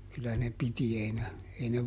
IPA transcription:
kylːæ ne piti ei ne ei ne

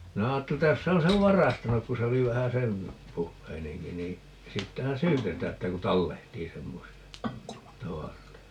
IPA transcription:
minæ ɑːtːeli tːæ jos se on̞ seʋ ʋɑrɑstɑnuk ku se oli ʋæhæ sen puhːeineŋki niː siːtːæhæn syːtetæː etːæ ku tɑlːehtiː semːosiɑ tɑʋɑroitɑ

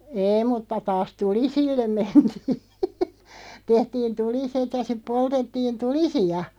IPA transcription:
eːĭ mutːɑ tɑːs tulisilːem mentiː tehtiːn tuliset jɑ sip̆ poltetːiːn tulisiɑ

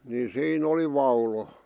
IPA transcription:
ni siːn oli ʋɑulo

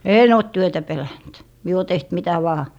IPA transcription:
eːn oˑt tyøtæ pelænt mie o teht mitæ ʋɑː

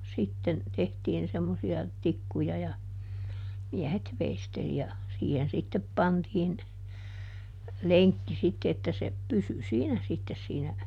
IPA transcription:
sitːen tehtiːn semːosiɑ tikːujɑ jɑ miɛhet ʋeisteli jɑ siːhen sitːep pɑntiːn leŋkːi sitːe etːæ se pysy siːnæ sitːes siːnæ

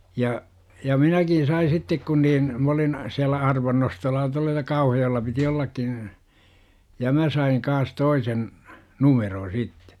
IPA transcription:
jɑ jɑ minækin̞ sɑi sitːek kun niːn m olin siælːæ ɑrʋɑnːostolːɑ tuɑlːɑ jɑ kɑuhɑjoelːɑ piti olːɑkːin̞ jɑ mæ sɑiŋ kɑːs toisen numerõː sitːe̥

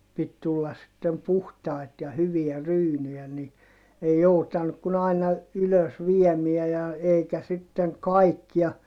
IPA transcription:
pit tulːɑs sitːem puhtɑi̯t jɑ hyʋiæ ryːnyjæ ni ei joutɑnːuk kun ɑinɑ yløs ʋiemiæ jɑ eikæ sitːeŋ kɑikːiɑ

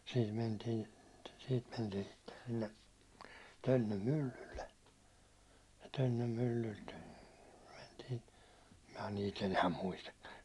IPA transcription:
siːt mentiːn siːt mentiːn sitːen silːe tønːøm mylːylːe jɑ tønːøm mylːylt mentiː mæ niːt enæː muistɑkːɑ

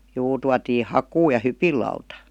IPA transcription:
juː tuɑtiː hɑkuː jɑ hypilˑɑutɑ

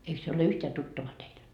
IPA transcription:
eik se ole yhteæ tutːɑʋɑ teil

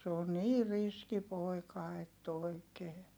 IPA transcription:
se on niː riski poi̯kɑ etː oˑikeː

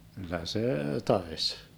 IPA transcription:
kylːæ seː tɑes

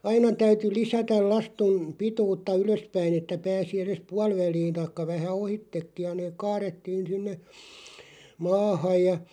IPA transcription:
ɑinɑ tæyty lisætæl lɑstum̆ pituːtːɑ yløspæin etːæ pæːsi eres puɑlʋæliːn̞ tɑĭkːɑ ʋæhæ ohitːekːij̆ jɑ neːk̆ kɑːretːiːn̞ sinːe mɑːhɑˑj jɑ

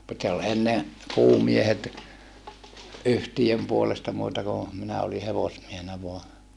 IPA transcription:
mut se ol enːe kuːmiehet yhtijøm puolestɑ muːtɑ ku minæ oli heʋosmiehenæ ʋoɑ

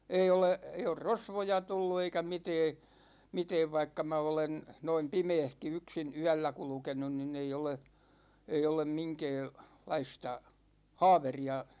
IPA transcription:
ei ole ei or rosʋojɑ tulːu eikæ mitɛː mitɛːʋ ʋɑikːɑ mæ olen noim pimeːhki yksin yælːæ kulkenun ninˑ ei ole ei olem miŋkɛː lɑistɑ hɑːʋeriɑ

